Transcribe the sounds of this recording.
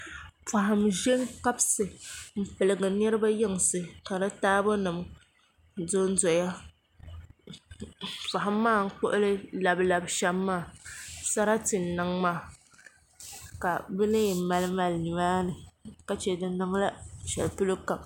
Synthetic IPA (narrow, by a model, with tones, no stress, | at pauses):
fa˨ɦa˨mʒe˦ŋka˦bsɨ˨m̩˨pɨ˨lɨ˨ɡɨ˨nɛ˦ɾɨ˦ba˦jɪ˦ŋ˨sɨ˨ka˨ɾa˦taː˦bo˦nɨ˨m˨ | do˦n̩˦dɔ˨ja˦ | fa˨ɦa˨mːaː˦˨ŋ̩˦k͡pʊ̰˦ʔʊ˦lɨ˦la˨bla˨bʃɛ˦mːaː˦˨sa˦ɾa˦tɨ˨n̩˨nɨ˨˦ŋmaː˦˨ | ka˨bɨ˦nɨ˦jma˨lɨ˦ma˨lni˨maː˦nɨ˨ka˦t͡ʃɛ˨dɨ˦nɨ˦ŋ˦la˦ʃɛ̰˨lpɨ˦lɨ˦ka˨b̚